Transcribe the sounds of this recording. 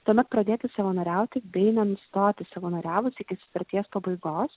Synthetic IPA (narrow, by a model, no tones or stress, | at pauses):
t̪uɔmʲɛt̪̚pɾɐd̪ʲeːt̪ʲɪsɐʋɐnoːɾʲæˑʊt̪ʲɪbʲɛɪnɐnst̪oːt̪ʲɪsɐʋɐːnoːɾʲæːʋʊsʲɪkʲɪsʊ̥t̪ɐɾʲt̪ʲiɛspɐbɐɪɡoːs